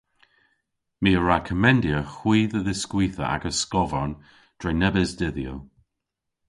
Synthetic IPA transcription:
miːəɹakʰəmɛndjəxwiːðəðɪskwiːθə̰a̰ɡəskɔvɔɹn | d̪̥ɹenɛbɪzdɪðjə

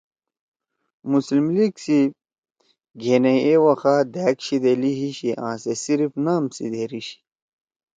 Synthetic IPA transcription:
muslimliɡsi | ɡʱeːneewɐxaːd̪æːkɕid̪eliɦiɕiʔãːsesiɾifnaːmsḭd̪eɾiɕi̥

